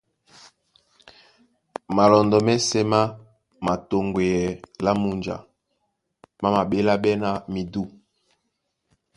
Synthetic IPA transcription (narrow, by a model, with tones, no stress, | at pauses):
ma˨lɔ˨ndɔ˨mɛ˦sɛ˦ma˦ | ma˨to˨ŋɡwe˨jɛ˨la˦mu˨nd͡ʒa̰˨ | ma˦ma˨ɓe˦la˦ɓɛ˦na˨mi˨du˦